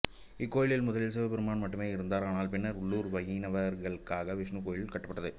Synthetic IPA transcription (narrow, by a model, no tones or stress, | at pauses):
ɪkːoːjɪɭɪlmʊðɐlɪls̬eʋɐpɪɾɯmaːnmɐʈːɯmeːɪɾɯnd̪aːɾaːnaːlpɪnːɐɾʊɭːuːɾʋɐjinɐʋɐɾɣɐɭkːaːɣɐʋɪʂɳɯkoːjɪɭɪlkɐʈːɐpːɐʈːɐðɯ